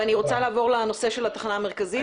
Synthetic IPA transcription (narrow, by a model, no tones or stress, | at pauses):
aniʁot͡salaːvo̞ʁleno̞se̞ʃelat̪ḁχnaːme̞ʁ̞kazi